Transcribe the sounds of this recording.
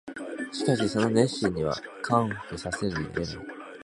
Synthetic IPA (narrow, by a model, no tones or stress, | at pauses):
ɕi̥kaɕ̬iso̞no̞nẽ̞ɕĩɲ̟ːiβa̰kʰãɰhkɯsase̞ɾɯ̰eba̰